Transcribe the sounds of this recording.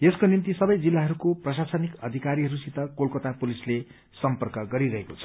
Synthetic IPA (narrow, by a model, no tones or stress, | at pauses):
eskonint̪isʌbʌjd͡zilːaɦʌɾukoprʌsasʌnikʌd̪ʱikaɾiɦʌɾusit̪ʌkolkot̪apulisle | sʌmpʌrkʌɡʌɾiɾʌɦekot͡sʰʌ̥